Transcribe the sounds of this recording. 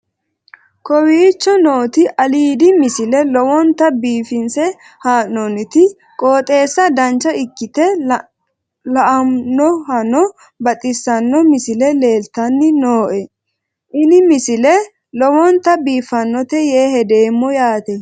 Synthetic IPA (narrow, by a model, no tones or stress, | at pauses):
kɔwiːt͡ʃːɔnoːt̪ɪʔɐliːd̪ɪmɪsɪlɛlɔwɔnt̪ːɐbiːfɪnsɛ | haːnːɔnɪt̪ɪ | kʼoːt̪ʼe̞ːsːɐd̪ɐnt͡ʃːɐɪkːɪt̪ɛ | lɐʔɐmnɔhɐnɔ | bɐt̪ʼɪsːɐnːɔmɪsɪlɛle̞ːlt̪ɐnːɪnoːʔɛ | ʔɪnɪmɪsɪlɛ | lɔwɔnt̪ːɐbiːfɐnːɔt̪ɛjeːɦɛd̪e̞ːmːɔjaːt̪ɛ